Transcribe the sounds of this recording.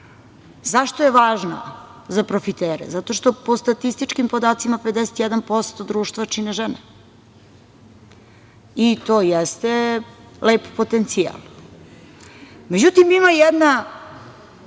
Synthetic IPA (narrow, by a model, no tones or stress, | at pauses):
zaʃt̪oje̞ʋaːʒno̰ | zapɾofit̪eːɾḛzat̪o̞ʃt̪o̞po̞st̪at̪ist̪it͡ʃkimpo̞d̪aːt̪simaped̪ɛset̪jɛd̪anpo̞st̪o̞d̪ɾuːʃt̪vat͡ʃineʒɛne | it̪oːjɛst̪eleːppot̪ent̪sija̰l | med͡ʑut̪imimajɛd̪na